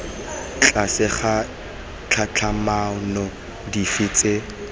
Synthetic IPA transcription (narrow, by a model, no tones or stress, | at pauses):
t͡ɬʼasɪχa | t͡ɬʰat͡ɬʰamanɔ | difɪːt͡sʼe